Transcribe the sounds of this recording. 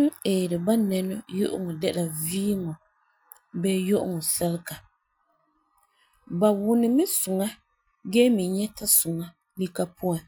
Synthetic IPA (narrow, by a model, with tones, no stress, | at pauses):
ŋ˦eː˨ɾɪ˨ba˦nɛ˨nʊ˦jʊ̰˦ʔʊ̰˦ŋɔ˨dɛ˦la˨viː˦ŋɔ˨ | bɛ˦jo˦ʔʊ̰˦ŋɔ˨sɛ˦lka˨ | ba˨wʊ˦nɪ˦mɪ˦sʊ˨ŋa˦ | ɡɛː˦mɪ˨ɲɛ˦ta˦sʊ˨ŋa˦ | li˦ka˦pʰʊ˦a˨